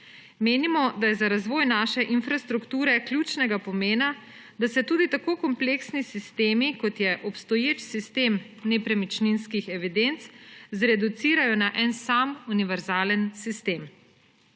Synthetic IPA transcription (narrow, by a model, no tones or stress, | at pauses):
meːnimɔd̪ajɛzaɾazʋɔːjnaːʃɛʔinfɾast̪ɾukt̪uːɾɛklʲjut͡ʃnɛɡapɔmeːna | d̪asɛt̪uːd̪it̪akoːkɔmpleːksnisist̪eːmikɔt̪jɛʔɔpst̪ɔjeːt͡ʃsist̪em | nɛpɾɛmit͡ʃninskixɛʋid̪ent̪szɾɛd̪ut̪siːɾajɔnaʔɛnsamuniʋɛɾzaːlənsist̪eːm